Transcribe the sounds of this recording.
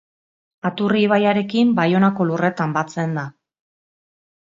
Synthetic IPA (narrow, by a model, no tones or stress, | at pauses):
at̪uriːβ̞ajaɾe̞kimbajo̞nako̞lure̞t̪ambat͡se̞nd̪a